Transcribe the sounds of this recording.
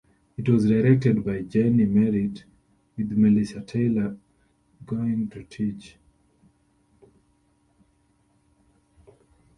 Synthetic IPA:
itwɔzdaɹɛk̚tɛd̚baɪd͡ʒenimɛɹid | wiðmiliʃatʰeɪlə | ɡoɪ̃ŋtʰutʰit͡ʃ

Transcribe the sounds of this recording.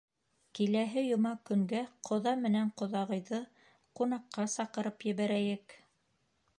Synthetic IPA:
kilæɦɘjŏmɑkɵ̆ŋɡæqʰŏðɑmɘ̆næɴqŏðɑʁɤ̆jðɤ | qunɑqːɑsɑqɤ̆ɾɤpjɘ̆βæɾæjɘk

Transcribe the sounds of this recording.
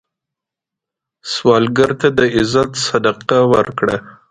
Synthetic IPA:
swɑlɡaɾt̪ad̪əɪzat̪sad̪aqawəɾkɽa

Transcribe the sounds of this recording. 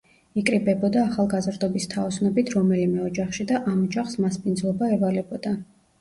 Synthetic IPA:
ikʼɾibɛbɔd̪aːχalˠɡazɾd̪ɔbist̪ʰaɔsnɔbit̪ʰɾɔmɛlimɛɔd͡ʒaχʃid̪aʔamɔd͡ʒaχsmaspʼinzlˠɔbaɛvalɛbɔd̪a

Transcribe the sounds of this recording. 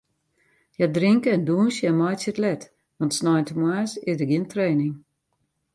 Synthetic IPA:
jadrɪŋkəɛnduənsjɛmɔjsjətlɛt | ʋɑntsnɔjntəmwaːsɪzdəɡɪəntreːnɪŋ

